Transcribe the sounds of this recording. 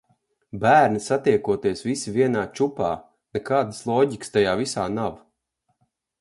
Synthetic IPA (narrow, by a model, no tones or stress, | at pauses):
bæːɾnisat̪iɛkuɔt̪iɛsvisivʲiɛnaːt͡ʃupaː | nɛkaːd̪ɨslˠɔːɟikst̪ajaːvisaːnav